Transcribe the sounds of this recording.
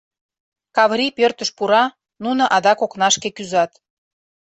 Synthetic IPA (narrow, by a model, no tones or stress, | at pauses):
kɑβɾʲipørt̪əʃpuɾɑ | nunoʔɑd̪ɑkoknɑʃkekyzɑt̪